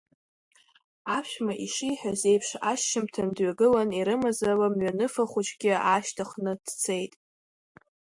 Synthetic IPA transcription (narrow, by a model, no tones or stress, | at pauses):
apʰʃmaʔiʂiħᶣaze̞jpʰʂaʃːɪmtʰandɥaɡɨlaniɾɨmazawamɥanɨfaχʷut͡ʃʰʼɡʲɪaʃtʰaχnɨd̥t͡sʰe̞jtʼ